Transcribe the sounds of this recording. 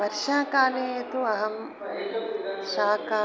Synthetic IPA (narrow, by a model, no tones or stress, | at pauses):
ɐɾʃaːkaːleːɐt̪uɐɦɐm | ʃaːkaː